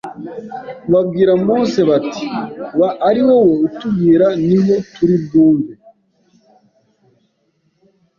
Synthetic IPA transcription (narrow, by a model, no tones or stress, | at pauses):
βabɡiːɾamoːse̞βatiβaːɾiwoweutubɡiːɾaniho̞tuɾibɡuːmbe